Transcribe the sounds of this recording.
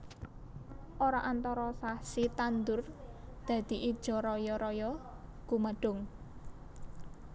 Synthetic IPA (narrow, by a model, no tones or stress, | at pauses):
ʔoɾaʔant̪ɔɾɔsahsit̪and̪ʊrd̪̥ä̤d̪̥i̤ʔid̥ʒ̥ɔ̤ɾɔjɔɾɔjɔ | ɡ̥uməɖ̥ʊ̤ŋ